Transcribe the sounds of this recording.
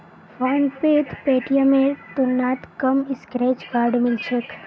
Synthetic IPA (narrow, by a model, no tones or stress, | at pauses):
fɔnpet̪peʈijəmeɾt̪unat̪kəmiskɾet͡ʃɡaɾɖmɪlʃək